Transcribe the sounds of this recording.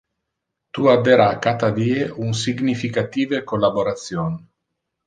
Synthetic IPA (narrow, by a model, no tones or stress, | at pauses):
t̪uad̪eɾakat̪ad̪iːeunsiɡnifikat̪iːvekolːaboɾat̪sjon